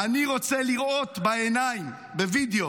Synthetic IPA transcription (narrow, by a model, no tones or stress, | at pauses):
aniʁot͡seliʁo̞t̪baenaim | bevid̪eo